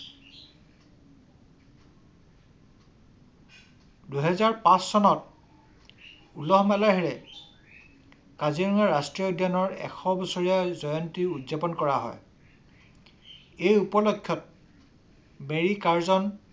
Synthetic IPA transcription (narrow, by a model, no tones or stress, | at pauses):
duɦɛzaɹpãsːɔnɔt̚ | ulɔɦɔmɛlaɦiɹɛ | kaziɹɔŋaɹastɹiɔdʱjanɔɹɛ̰xʰɔbɔsoɹijazɔjɔntiudzepɔnkɔɹaɦɔ̰j | ejupɔlokʰːjɔt̚ | meɹikaɹzɔn